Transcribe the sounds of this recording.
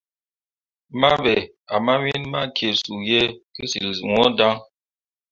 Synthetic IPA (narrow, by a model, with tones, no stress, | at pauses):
ma˦bɛ˨ | a˨ma˦mi˦nma̰˦kje˨su˨jɛ˦ki˦si˨lzu˨ŋɔ˦da˦ŋ